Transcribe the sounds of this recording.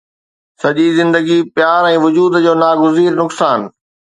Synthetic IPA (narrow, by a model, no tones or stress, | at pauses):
sɐʄizɪ̃nd̪əɡipjaːɾɛ̃ːʋʊd͡ʑuːd̪d͡ʑoːnaːɡʊziːɾnʊksaːn